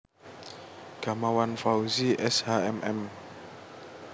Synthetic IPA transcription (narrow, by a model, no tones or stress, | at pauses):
ɡ̥a̤mawanfauziʔɛshaɛmʔɛm